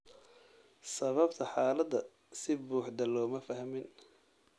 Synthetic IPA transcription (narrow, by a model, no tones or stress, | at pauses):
sɐβɐbt̪ʰɐħaːlɐd̪ɐ | sɪbuːħd̪ɐlɔːmɐfɐɦmɪn